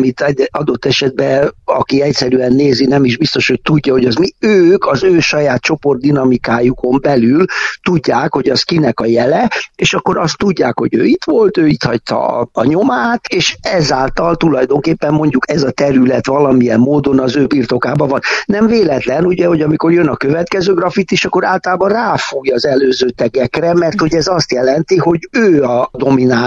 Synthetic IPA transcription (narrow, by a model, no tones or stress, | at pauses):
mit̪ɛɒd̪o̞t̪ːɛʃɛd̪̚bɛɒ̰kiɛcsɛɾyɛnːeːzinɛmiʒbist̪o̞ʃho̞c̚t̪uɟːɒho̞ɟɒzmiøːkɒzøːʃɒjaːt̪̚t͡ʃo̞po̞rd̪ːinɒmikaːjuko̞mbɛlylt̪uɟːaːkho̞ɟɒskinɛkɒjɛlɛeːʃɒkːo̞ɾɒst̪ːuɟːaːkho̞ɟø̰ːit̪ʋo̞lt̪øːit̪hɒct̪ɒ̰ːɲo̞maːt̪eːʃɛzaːlt̪ɒlt̪ulɒjd̪o̞ŋkeːpːɛmːo̞ɲɟukɛzɒt̪ɛɾylɛt̪ʋɒlɒmijɛmːoːd̪o̞nɒzøːbiːrt̪o̞kaːbɒvɒnːɛɱveːlɛt̪lɛnuɟɛho̞ɟɒmiko̞rjønɒkøvɛt̪kɛzøːɡrɒfit̪iʃɒkːo̞ɾaːlt̪ɒlaːbɒnraːfuːjɒzɛløːzøːt̪ɛɡɛkrɛmɛrt̪ho̞ɟɛzɒst̪jɛlɛnt̪iɦo̞ɟøːɒd̪o̞mina